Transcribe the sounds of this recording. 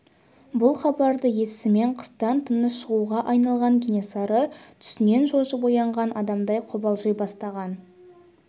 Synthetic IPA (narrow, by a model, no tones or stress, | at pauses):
bʊlˠχɑbɑɾd̪əje̞sɪme̞ɴqʰə̥st̪ɑnt̪ʰənəsʃəʁuʁɑʔɑjnɑlˠʁɑŋɡʲinesɑɾət̪ʰʏ̥sɪne̞nʒo̞ʒəbo̞jɑɴʁɑnʔɑd̪ɑmd̪ɑjqʰʊbɑlˠʒəjbɑst̪ɑʁɑn